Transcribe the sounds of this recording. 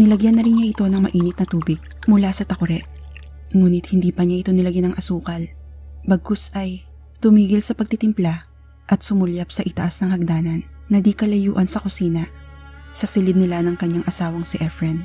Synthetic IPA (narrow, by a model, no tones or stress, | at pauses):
nɪlɐɡjanːɐɾɪnɲaʔɪt̪o̞nɐŋmɐʔiːnɪt̪̚nɐt̪uːbɪɡ̚mʊlasɐt̪ɐkʊɾɛʔ | ŋuːnɪt̪hɪnd̪iːpɐɲaʔɪt̪onɪlɐɡɪnɐŋʔɐsuːkɐlbɐɡʊsɐj | t̪ʊmiːɡɪlsɐpɐɡ̚t̪ɪt̪ɪmpla | ʔɐt̪̚sʊmʊljap̚sɐʔɪt̪ɐʔasnɐŋhɐɡ̚d̪aːnɐnːɐd̪ikɐlɐjṵːʔɐnsɐkʊsiːnɐ | sɐsɪlɪd̪nɪlanɐŋkɐɲːaŋʔɐsaːwɐŋsɪʔɛfɹɛn